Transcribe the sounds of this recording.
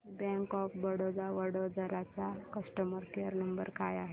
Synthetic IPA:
bɛ̃ŋkɔfbəɽod͡zaʋəɽod͡zəɾat͡sakəsʈəməɾkeəɾnəmbəɾkajaɦe

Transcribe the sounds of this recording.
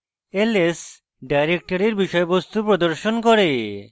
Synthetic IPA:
eles | ɖajɾek̚ʈɔɾiɾbiʃɔebɔst̪upɾɔd̪ɔɾʃonkɔɾe

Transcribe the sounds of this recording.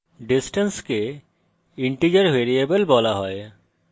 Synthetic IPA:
ɖisʈenske | iɳʈid͡ʒaɾweɾiebəlbɔlaɦɔj

